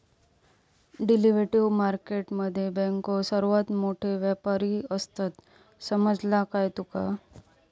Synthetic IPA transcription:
ɖiliʋɾeʈiʋmaɾkeʈməd̪ʱːjebɛ̃ŋkosəɾuʋat̪moʈʰeʋjapaɾiəst̪ət̪ | səməd͡zlakajt̪uka̰

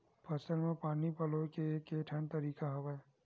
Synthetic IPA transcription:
pʰɐsəlmẽpaːnipɐlokeeːkeːʈʰɛ̃nt̪ɐɾiːkaɦɐʋa

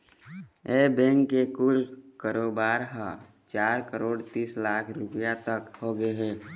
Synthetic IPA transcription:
ebɛ̃ŋkːekuːlkəɾobaːɾɦə̃ | t͡ʃaːɾkəɾoːɽt̪iːslaːkʰɾʊpijat̪əkhoɡeɦɛː

